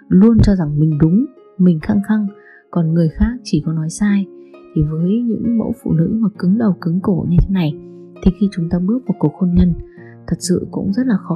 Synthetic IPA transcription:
lu˧ənt͡ɕɔ˧za˨˩ŋmï˨˩ŋ̟ɗʊ˨˦ŋ͡m | mï˨˩ŋ̟xaː˧ŋxa˧ŋ | kɔ˨˩nŋɨ˨˩əjxaː˦˥k̚t͡ɕi˧˩kɔ˨˦nɔ˨˦jsaː˧jt̪ʰi˨˩vəː˨˦jɲɨ̰˧˥ŋmə̰˧˥wfṵ˧˨nɨ̰˧˥maː˨˩kɨ˨˦ŋɗə˨˩wkɨ˨˦ŋko˧˩ɲɨ˧t̪ʰe˨˦na˨˩j | t̪ʰe˨˧˦xi˧t͡ɕʊ˨˦ŋ͡mt̪aː˧ɓɨ˦˥ək̚mʊ˨˩t̚ku˨˩ək̚xo˧nɲə˧n | t̪ʰə˨˩t̚sɨ̰˧˨kʊ̰˧˥ŋ͡mzə˦˥t̚laː˨˩xɔ˨˦

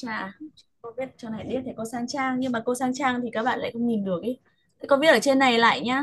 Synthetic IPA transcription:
t͡ɕaː˧˩˨ | kɔ˨˧˦vi˦˥ət̚t͡ɕna˨˩jɗi˧˦t̪ʰe˧˩ko˧saː˧ŋt͡ɕaː˧ŋɲɨ˧maː˨˩ko˧wsaː˧ŋt͡ɕaː˧ŋt̪ʰi˨˩kaː˦˥k̚ɓa̰ː˧˨la̰ː˧˨˩xə˧wŋ͡mɲi˨˩nɗɨ˨˩ək̚ʔi˨˦ | t̪ʰə˨˦kɔ˨˦ɓi˦˥ət̚ʔəː˧˩t͡ɕe˧nːa˨˩jla̰ː˧˨jɲaː˧

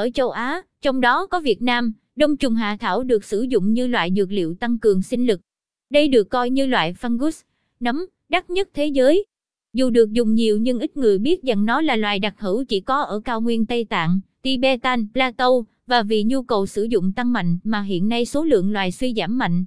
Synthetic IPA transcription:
ʔəː˧˩t͡ɕə˧wʔaː˨˦ | t͡ɕɔ˧wŋ͡mɗɔ˨˦kɔ˨˦vi˨˩ət̚naː˧m | ɗə˧wŋ͡mt͡ɕʊ˨˩ŋ͡mɦa̰ː˧˨t̪ʰaː˧˩wɗɨ˨˩ək̚sɨ˧˩zʊ̰˧˨ŋ͡mɲɨ˧lwa̰ː˧˨jzɨ˨˩ək̚lḭ˧˨əwt̪a˧ŋkɨ˨˩əŋsï˧ŋ̟lɨ˨˩k̚ | ɗə˧jɗɨ˨˩əkːɔ˧jɲɨ˧lwa̰ː˧˨jfa˧nɣu˦˥s | nə˨˦m | ɗa˦˥t̚ɲə˦˥t̚t̪ʰe˨˦zəː˨˦j | zu˨˩ɗɨ˨˩ək̚zʊ˨˩ŋ͡mɲi˨˩əwɲɨ˧ŋʔï˦˥t̚ŋɨ˨˩əjɓi˦˥ət̚za˨˩ŋnɔ˨˦laː˨˩lwaː˨jɗa˨˩k̚hɨ˧˩wt͡ɕi˧˩kɔ˨˦ʔəː˧˩kaː˧wŋwi˧ənt̪ə˧jt̪a̰ː˧˨ŋt̪i˧ɓɛ˧t̪aː˧nplaː˧t̪ə˧w | vaː˨˩vḭ˧˨ɲu˧kə˨˩wsɨ˧˩zʊ̰˧˨ŋ͡mt̪a˧ŋma̰˧˨jŋ̟maː˨˩ɦḭ˧˨ənːa˧jso˨˦lɨ̰˧˨əŋlwaː˨˩jswi˧zaː˧˩mːa̰˧˨jŋ̟

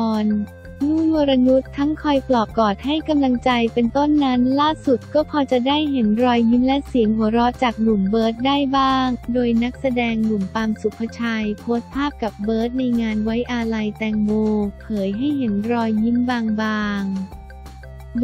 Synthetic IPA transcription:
n | nuː˥˩moː˧ɾa˧nu˦˥t̪ʰːa˦˥ŋkʰɔ˧jplɔː˨˩p̚kɔː˨˩t̪̚ha˥˩jka˧mla˧ŋt͡ɕa˧jpe˧nt̪o˥˩nːa˦˥nlaː˥˩su˨˩t̪̚kɔː˥˩pʰɔː˧t͡ɕa˨˩daː˥˩jɦe˩˦nɾɔː˧jːi˦˥nlɛ˦˥si˨˩˦əŋɦu˩˦ɐɾɔ˦˥t͡ɕaː˨˩k̚nu˨˩mbɤː˦˥t̪̚daː˥˩jbaː˥˩ŋdoː˧jna˦˥k̚sa˧dɛː˧ŋnu˨˩mt̪aː˧msu˨˩pʰːa˧t͡ɕʰa˧jpʰoː˦˥t̪̚pʰaː˥˩p̚ka˨˩p̚bɤː˦˥t̪̚na˧jŋaː˧nwa˦˥jʔa˧la˧jt̪ɛː˧ŋbuː˧pʰɤː˩˦jɦa˥˩jɦe˩˦nɾɔː˧jːi˦˥nbaː˧ŋbaː˧ŋ

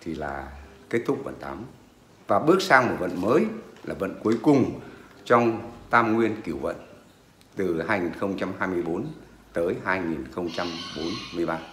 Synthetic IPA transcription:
t̪ʰi˨˩la̰ː˨˩ke˦˥t̚t̪ʰʊ˦˥k͡p̚və̰˧˨nt̪a̰ː˨˦m | vaː˨˩ɓɨ˦˥ək̚saː˧ŋmo˨˩t̚və̰˧˨nməː˨˦jlaː˨˩və̰˧˨nku˨˦əjkʊ˨˩ŋ͡mt͡ɕɔ˧wŋ͡mt̪aː˧mŋwi˧ənki˧˩əwvə̰˧˨n | t̪ɨ˨˩haː˧jŋi˨˩nxə˧wŋ͡mt͡ɕa˧mhaː˧jmɨ˧əjɓo˨˦n | t̪əː˨˦jɦaː˧jŋi˨˩nxə˧wŋ͡mt͡ɕa˧mɓo˨˦nmɨ˧əjɓaː˧

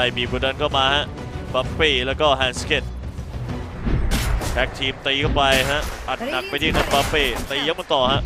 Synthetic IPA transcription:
a˧˩jbiː˨˩pʰuː˧˩da˧nkʰɔː˥˩maː˧ha˦˥ʔ | pa˦˥pːiː˥˩lɛː˦˥wkɔː˥˩ɦɛː˧nskʰe˥˩t̪̚ | tʰɛ˦˥k̚t̪ʰiː˧mt̪iː˧kʰa˥˩wpa˧jɦa˦˥ʔʔa˨˩t̪̚na˨˩k̚pa˧jt̪ʰiː˥˩ŋa˦˥˩ba˦˥pːiː˥˩t̪iː˧˩ja˧ŋma˧nt̪ɔː˨˩ɦa˦˥ʔ

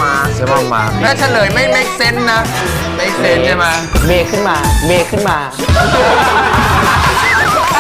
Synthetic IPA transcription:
aː˧a˧˦ma˧˩ma̰ː˧˩nɛ˦˥t̪ʰa˧˩lɤː˨˩˦jma˥˩jma˥˩jse˦˥nːa˦˥ | ma˥˩jse˦nt͡ɕa˦˧˩maː˧beː˧kʰɯ˥˩nmaː˧beː˧kʰɯ˥˩nmaː˧

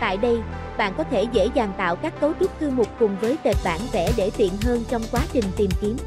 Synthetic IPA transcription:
t̪a̰ː˧˨jɗə˧j | ɓa̰ː˧˨nkɔ˨˦t̪ʰe˧˩zḛ˧˥zaː˨˩nt̪a̰ː˧˨wkaː˦˥k̚ko˨˦wɗʊ˦˥k͡p̚k̪ɨ˧mʊ˨˩k͡p̚kʊ˨˩ŋ͡mvəː˨˦jt̪e˨˩t̚ɓa̰ː˧˩nvɛ˧˩ɗe˧˩t̪ḭ˧˨ənɦəː˧nt͡ɕɔ˧wŋ͡mkwaː˨˦t͡ɕï˨˩ŋ̟t̪i˨˩mki˨˦m

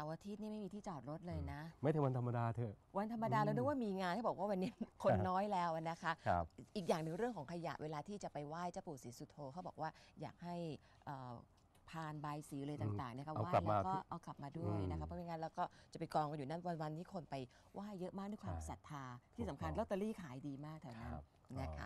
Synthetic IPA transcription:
sa˨˧wʔaː˧t̪ʰiː˦˥t̪̚niː˥˩ma˥˩mi˧t̪ʰiː˥˩t͡ɕɔː˨˩t̪̚ɾo˦˥t̪̚lɤː˧jna˦˥ma˥˩jt̪ɯ˩˦wa˧nt̪ʰa˧mːa˧daː˧t̪ʰɤː˨˩wa˧nt̪ʰa˧mːa˧daː˧lːwnɯ˧˥˩waː˥˩miː˧ŋaː˧nt̪ʰa˥bɔ˨˩kwaː˥˩wa˧nːi˦˥kʰo˧nːɔː˦˥jlɛː˦˥wa˩na˦˥kʰa˦˥ʔʔiː˨˩k̚jaː˨˩ŋnɯ˨ŋɾɯ˥˩əŋkʰɔː˩˦ŋkʰa˧ja̰˨˩ʔwʔeː˧laː˧t̪ʰiː˥˩t͡ɕa˨˩pa˧jwaː˥˩jt͡ɕa˥˩puː˨˩siː˨˩˦su˨˧˩t̪ʰoː˧kʰa˦˥wbɔː˨˩k̚waː˥˩ja̰ː˨˩k̚ha˥˩j | ʔəː˨˩ | pʰaː˧nbaː˧jsiː˩˦lɤː˧t̪aː˨˩t̪aː˨˩ŋna˦˥kʰa˥˩˧waː˥a˨jlɛː˦˧kɔː˥˩ʔa˧kla˨˩p̚maː˧du˥˩əja˦kʰa˦˥pʰɔː˧˩miː˧ŋaː˧lɛː˦˥wkɔː˥˩t͡ɕa˨˩pa˧jkɔː˧ŋka˧njuː˨˩na˦˥˩wa˧nwa˧nt̪iː˦˥˩kʰo˧npa˧j | waː˥˩jːɤ˦˥ʔmaː˥˩k̚du˥˩jkʰaː˧msa˨˩t̪ʰːaː˧t̪ʰiː˥˩sa˩˦mkʰa˧nlo˦˥˩t̪ːa˧liː˥˩kʰaː˨˩˦jdiː˧maː˥˩k̚t̪ʰɛː˧˩na˦˥n | na˦˥kʰa̰˦

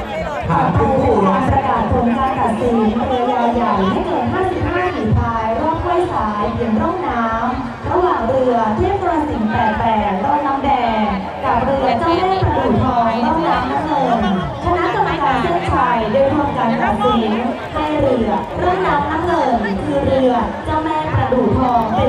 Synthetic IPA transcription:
pʰaː˨˩t̚p̪ʰuː˧u˨˩ʔaː˧npɾa˧kaː˨˩t̪̚pʰo˨˦nkaː˧nt̪a˨˩t̪̚siː˨˩˦nɾɯ˧əjaː˧wja˨˩jma˥˩jkɤː˧nɦaː˥˩si˨˩p̚haː˥˩kiː˨˩p̪ʰaː˧jɾɔː˥˩t̪̚ka˥˩jsaː˩˦jpʰi˨˩˦ənɾɔ˥˩ŋ̚naː˦˥m | ɾa˧waː˨˩ŋɾɯ˧ɐt̪ʰi˥˩əm̚kɔ˧a˧nsi˨˩˦ŋt̪ɛː˨˩k̚t̪ɛː˨˩t̪ɔː˧nlɔː˨˦˥mdɛː˧ | ka˨˩p̚ɾɯ˧ɐt͡ɕa˥˩wmɛː˥˩ŋpɾa˧duː˨˩t̪̚ʰːɔː˧ŋla˧˥˩wjaː˦˥mnaː˦˥mŋɤ˧n | kʰa˧na˦˥ʔka˧mːa˧kaː˧nt͡ɕɯ˥˩ŋt͡ɕʰaː˧jdoː˧jt̪ʰa˧mkaː˧nt̪a˨˩t̪̚si˩˦n | na˧jɾɯ˧ə | ɾɯ˥˩əŋnaː˦˥mnaː˦˥mnɤː˧nkʰɯː˧ɾɯ˧ət͡ɕa˧˩mɛː˥˩ŋpɾa˧duː˨˩t̪ʰɔː˧ŋ˧

